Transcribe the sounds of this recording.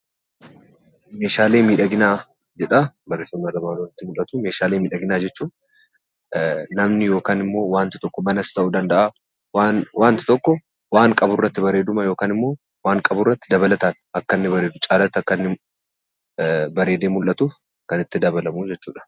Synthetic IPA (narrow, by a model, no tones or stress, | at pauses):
meːʃaːleːmiːᶑɐɡɪnaː | d͡ʒɛᶑabɐɾesʊmːaːd̪ɐmaːnonɪt̪ːɪmʊlʔɐt̪ʊme̞ːʃaːleːmiːᶑɐɡɪnaːd͡ʒɛt͡ʃːuː | nɐmnɪjo̞ːkaːnɪmːo̞ːwaːnt̪ɪ̥t̪ɔkːɔmɐnɐst̪ɐʔuːd̪ɐnd̪ɐʔa | wanwaːnt̪ɪ̥t̪ɔkːɔ | waːŋkʼɐbʊrːɐt̪ːɪbɐɾe̞ːd̪ʊmɐjo̞ːkaːnɪmːo̞ː | waːŋkʼɐbʊrːɐt̪ːɪd̪ɐbɐlɐt̪an | ɐkːɐnːɪbɐɾeːd̪ʊt͡ʃʼaːlɐt̪ːɐkːɐnːɪ | bɐɾe̞ːd̪eːmʊlʔɐt̪u | kɐnɪt̪ːɪd̪ɐβɐlɐmud͡ʒɛt͡ʃːṵːᶑɐ̥